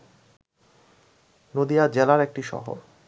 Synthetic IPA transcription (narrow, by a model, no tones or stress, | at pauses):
nod̪ijad͡ʑelaɾek̚ʈiʃɔ̰ɦo̰ɾ